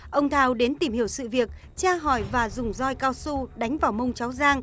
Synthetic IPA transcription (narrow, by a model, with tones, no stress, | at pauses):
ʔə˧wŋ͡mt̪ʰaː˧wɗe˨˦nt̪i˧˩mhi˧˩əwsɨ̰˧˨vi˨˩ək̚ | t͡ɕaː˧ɦɔ˧˩jvaː˨˩zʊ˨˩ŋ͡mzɔ˧jkaː˧wsu˧ɗa˨˦jŋ̟vaː˨˩wmə˧wŋ͡mt͡ɕa˨˦wzaː˧ŋ